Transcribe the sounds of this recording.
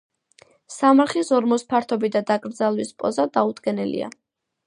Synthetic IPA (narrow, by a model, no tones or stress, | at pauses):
samaɾχisɔɾmɔspʰaɾt̪ʰɔbid̪ad̪akʼɾd̪zalˠwispʼɔ̰zad̪aud̪ɡɛnɛlḭa̰